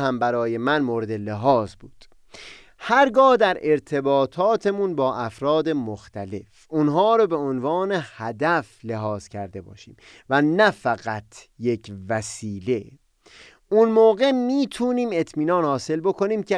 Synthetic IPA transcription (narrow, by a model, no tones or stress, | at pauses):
hæmbæɾɒːje̞mænmoːɾe̞d̪e̞leɦɒːzbuːd̪̥ | hæɾɡɒːhd̪æɾʔe̞ɾt̪ʰe̞bɒːt̪ʰɒːt̪ʰe̞munbɒːʔæfɾɒːd̪e̞moxt̪ʰæle̞f | ʔunɦɒːɾɔbe̞onvɒːne̞hæd̪æfle̞ɦɒːz̥cʰæɾd̪e̞bɒ̰ːʃḭːm | vænæfæɣæt̪ʰje̞cʰvæsiːle̞ | ʔunmoːɣe̞miːt̪ʰuːniːme̞t̪ʰmiːnɒːnhɒːse̞lbo̞kʰo̞niːmcʰe